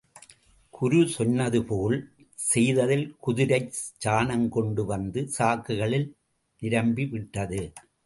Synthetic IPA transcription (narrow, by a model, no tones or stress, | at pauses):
kʰʊɾʊsɔnːɐðɯpoːl | sɛjðɐðɪlkʊðɪɾɐɪd͡ʒaːnɐŋkɔɳɖɯʋɐnd̪ɯsaːkɯɣɐɭɪl | nɪɾɐmbiʋɪʈːɐðɯ